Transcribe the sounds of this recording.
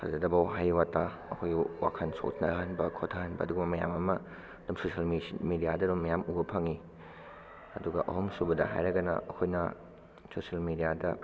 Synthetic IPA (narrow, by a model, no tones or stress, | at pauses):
sʰa̰zɐdɐbɐwɦajwatːa | ɐkʰojɡiwa̰kʰɐnso̰tʰnɐɦɐnbɐkʰotʰɐhɐnbɐ̰duɡɐmɐmɐja̰mɐmɐ | dumsosiɐlmimidijadɐɾumːɐjamubɐpʰɐŋi | ɐduɡɐʔɐ̰ɦumsubɐdɐ̰ɦa̰jɾɐɡɐnɐ̰ɐ̰kʰojnɐ | sosɐlmidijadɐ